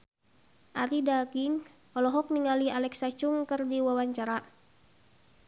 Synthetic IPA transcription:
ʔaɾidaɡiŋ | ɔlɔɦɔk̚niŋalialɛksat͡ʃuŋkərdiwawaɲt͡ʃaɾa

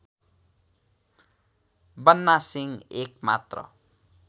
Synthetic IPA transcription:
bʌnːasiŋekma̰t̪rʌ̰

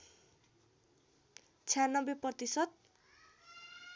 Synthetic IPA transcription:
t͡sʰjanʌbeprʌt̪isʌt̪̚

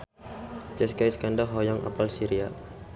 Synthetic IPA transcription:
t͡ʃɛskajskandaɦɔjɔŋʔa̰palsiɾia

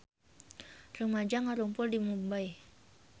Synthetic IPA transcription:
rumad͡ʒaŋaɾuŋpʊldimumbaj

